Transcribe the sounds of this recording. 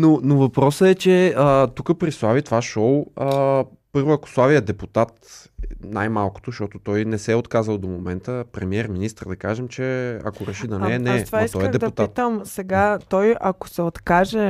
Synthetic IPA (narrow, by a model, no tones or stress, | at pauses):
nonovɐpɾɔsəɛt͡ʃɛət̪ukəpɾislˠavit̪ovaʃɔwə | pɤɾvoɐkoʊ̥slˠaviɐd̪ɛput̪at̪najmalˠko̥t̪oʃt̪ɔt̪ot̪ɔjnɛsɛot̪kazəlˠd̪omomɛnt̪əpɾɛmiɛɾminist̪ɾd̪ɐkaʒɛmt͡ʃɛɐ̰koɾɛʃid̪ɐnɛnɛt̪vaist̪ɔɛd̪ɛpd̪upt̪ait̪əmsɛɡat̪ɔjɐko̥sɛot̪kaʒɛ